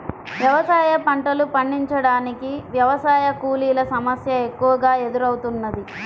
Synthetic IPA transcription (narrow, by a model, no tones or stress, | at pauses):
ʋjɐʋɐsaːjɐpɐɳʈɐlupɐɳːiɲt͡ʃɐɽaːnikiʋjɐʋɐsaːjɐkuːliːlɐsɐmɐsjɐe̞kːuʋɐɡaːe̞d̪uɾɐwut̪unːɐd̪i